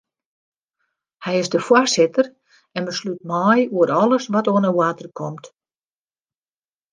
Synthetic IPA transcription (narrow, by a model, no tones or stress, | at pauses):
hɛjɪsdəfwarsɪtər | ɛnbəslyt̚mɔjuəɾɔlˠəsʋɔtoənəwaːtərkʰɔmt